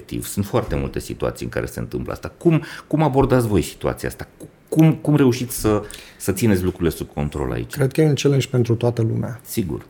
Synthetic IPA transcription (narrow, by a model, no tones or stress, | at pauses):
k̚t̪ḭv̥sunt̪foart̪e̞mṵlt̪e̞sit̪ua̰t̪sijɨ̰ŋka̰ɾe̞se̞̰nt̪ɨmplə̰a̰st̪akumkumabo̞rd̪at̪sʲvo̞jsi̥t̪ua̰t̪iaa̰st̪a | kumkumre̞uʃit̪sʲsəsət̪sinet̪sʲlukɾuɾile̞sub̚ko̞̰nt̪ɾo̞̰lʔa̰ḭt͡ʃkɾed̪̚kəjeɨnt͡ʃelenʃʲpe̞nt̪ɾut̪oat̪əlṵmeasiɡṵr